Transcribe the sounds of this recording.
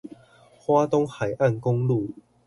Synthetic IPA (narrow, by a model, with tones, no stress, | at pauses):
xwa˦t̪ɔ˦ŋxa˨˩jʔa˥˨nkʊ˦˥ŋlu˥˨